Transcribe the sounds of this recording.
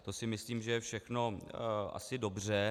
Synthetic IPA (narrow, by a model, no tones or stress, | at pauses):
t̪o̞sɪmɪsliːmʒɛjɛfʃɛxno̞ʔa̰sɪdo̞br̝ɛ